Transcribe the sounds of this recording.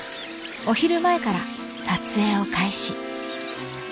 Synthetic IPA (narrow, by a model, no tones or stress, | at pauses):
o̞çiɾɯ̟mae̞kaɾa | sat͡sɨe̞ːo̞kaiɕi